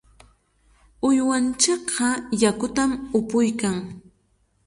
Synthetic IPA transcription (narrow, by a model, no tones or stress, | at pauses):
ʊjwant͡ʃɑqʰɑjakʊt̪amʊpʊjkaŋ